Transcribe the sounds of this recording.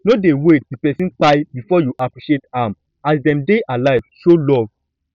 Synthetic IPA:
nodewet̚dipɛsĩnk͡pajbifɔjuʔapɹiʃetãm | asdɛ̃mdeʔalaɪv̥ʃolɔv

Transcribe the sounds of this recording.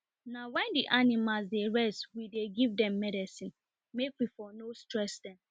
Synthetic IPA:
nawɛ̃ndiʔanimalzdeɹɛstwideɡivdɛ̃mːɛdisĩn | mekwifɔnostɹɛsdɛ̃m

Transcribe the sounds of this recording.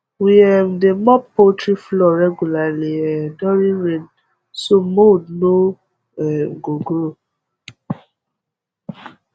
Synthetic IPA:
wiɛmdemɔpotɾiflɔɾɛɡjulaliɛdɔɾiɾẽn | somodno | ɛɡoɡɾo

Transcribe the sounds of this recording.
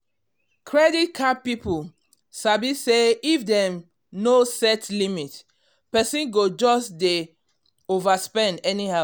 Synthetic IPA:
kʰɹɛdit̚kʰapipul | sabiseifdɛ̃m | nosɛtlimit | pɛsĩnɡod͡ʒɔsde | ovaspɛ̃ndɛnihaʊ

